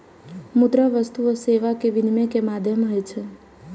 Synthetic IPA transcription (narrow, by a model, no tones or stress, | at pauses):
mud̪ɾəʋəst̪uoseʋakeʋɪnmekemad̪ʱjəmɦəjt͡ʃʰe